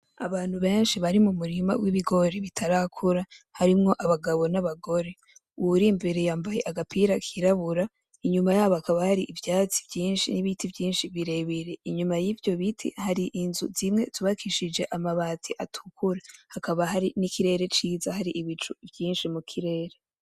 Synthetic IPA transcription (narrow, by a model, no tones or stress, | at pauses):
aβaːn̥huβe̞ːnʃiβaɾimumuɾima̰wiβiɡo̞ɾeβitʰaɾakʰuɾahaɾimŋo̞ʔaβaɡaβo̞naβaɡo̞ɾe̞ | uɾimbe̞ɾe̞jaːmbaje̞ʔaɡapiɾakʰiɾaβuɾa | iɲumajaːβoakaβahaɾiʔivjaːt͡si̥vjiːnʃiniβitivjiːnʃiβiɾe̞βiɾe̞iɲumajivjo̞βitʰḭhaɾiʔinzuzimŋe̞tuβakʰiʃid͡ʒe̞ʔamaβaːtʰiʔatʰu̥kʰuɾahakaβaɦaɾinikiɾe̞ːɾe̞t͡ʃiːzahaɾiʔiβit͡ʃuvjiːnʃimukʰiɾe̞ːɾe̞